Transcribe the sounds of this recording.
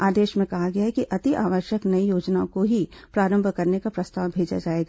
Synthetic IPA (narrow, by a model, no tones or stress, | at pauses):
aːd̪eːʃmẽkɐɦaɡɐaɦɛkiʔɐt̪iʔaːʋəɾʃjəknɐijoːd͡ʒnaõkoɦipɾaːɾə̃mbʱkɐɾnekapɾɐst̪aːwbʱeːd͡ʒa̰d͡ʒaːeːɡa